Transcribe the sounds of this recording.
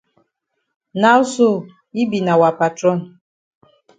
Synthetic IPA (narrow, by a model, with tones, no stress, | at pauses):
na˦ʊ˦so˦˨ | i˦bi˨na˨wa˨pa˨tɾɔ˦˨n̩˨